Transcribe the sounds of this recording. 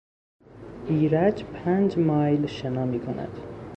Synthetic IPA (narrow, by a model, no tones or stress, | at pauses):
biːɾæd͡ʒpʰænd͡ʒmɑːjlʃenɒːmiːkʰonæ̰d̪̥